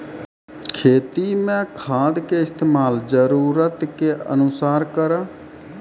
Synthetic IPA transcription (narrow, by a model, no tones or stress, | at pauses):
kʰeːt̪iːmɛ̃ːkʰaːd̪keːɪst̪eːmaːlzəɾuːɾət̪keːə̰nʊsaːɾkəɾaː